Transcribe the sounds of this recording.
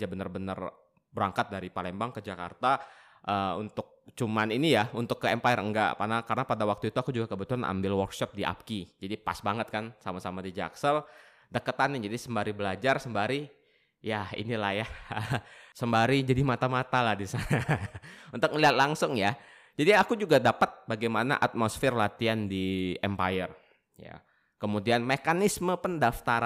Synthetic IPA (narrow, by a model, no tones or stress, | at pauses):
d͡ʒabənarbənə̰r | bəɾaŋkat̪̚daɾipalɛmbaŋkəd͡ʒaka̰rt̪a | ʔəunt̪ʊk̚t͡ʃumaninijaunt̪ʊkːəɛmpajərəŋɡa̰ʔkarnakaɾənapadawak̚t̪uit̪uakud͡ʒuɡakəbət̪ulanʔa̰mbɪlwɔrkʃɔp̚diʔa̰p̚kid͡ʒadipa̰sbaŋət̪̚kansamasamadid͡ʒa̰ksəl | dəkət̪anːɪd͡ʒadisəmbaɾibəlad͡ʒarsəmbaɾi | jaḭnilahjaəsəmbaɾid͡ʒadimat̪amat̪alahdisanaunt̪ʊk̚məliɦat̪̚laŋsʊŋja | d͡ʒadiakud͡ʒuɡadapat̪̚baɡajmana̰ʔat̪̚mosfɪrlat̪iandiɛmpajər | ja̰ | kəmudianmekanisməpəndaft̪aɾ